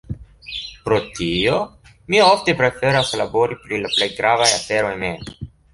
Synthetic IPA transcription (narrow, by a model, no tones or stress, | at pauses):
pɾo̞tio̞ | miofte̞pɾe̞fe̞ɾaslabo̞ɾipɾilaple̞jɡɾavajafe̞ɾo̞jmem